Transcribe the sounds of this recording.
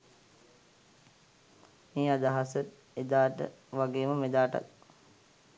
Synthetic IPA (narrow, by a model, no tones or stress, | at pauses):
meːad̪aɦasət̪ | ed̪aːʈə̰ʋaɡeːməmed̪aːʈa̰t̪̚